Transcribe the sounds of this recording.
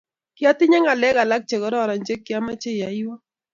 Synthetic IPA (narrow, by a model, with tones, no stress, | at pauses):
kja˦t̪ɪ˦ɲa˦ŋɡa˨lɛ˦ɣa˨la˦k̚t͡ʃe˨ɣɔ˦ɾɔ˦˨ɾɔ˨ɲd͡ʒe˦kja˦ma˦t͡ʃe˦ja˨i˦wɔ˦